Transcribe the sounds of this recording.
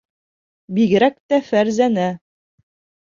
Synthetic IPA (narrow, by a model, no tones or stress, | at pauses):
biɡɘ̆ɾæk̚t̪æfæɾzænæ